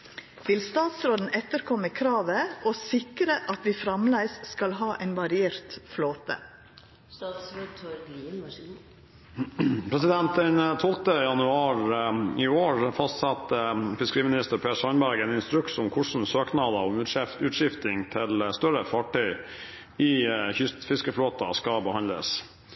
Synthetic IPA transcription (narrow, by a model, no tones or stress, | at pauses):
ʋɪlst̪ɑːt̪sɾoːd̪n̩ɛt̪əɾkʰɔməkʰɾɑːʋəʔosɪkɾəʔɑt̪ʋiːfɾɑmlæɪsskɑlɦɑːʔæɪnʋɑɾɪeːɾt̪floːt̪ə̰ | t̪ʰ | pʰɾɛsɪd̪ɛnt̪ənt̪ʰɔlt̪əjɑnʉɑːɾɪoːɹfɑst̪sɑt̪ːəfɪskəɾiːmɪnɪst̪əɾpʰeːʂɑnbæɾɡɛːnɪnst̪ɾʉksɔmkʰʊʂn̩søːknɑːd̪əɔmʉʉːt̪ʂɪft̪ɪŋt̪ʰɪlst̪œɾəfɑʈœʏ | ɪçʏfɪskəfloːt̪ɑskɑbəhɑnlə̰s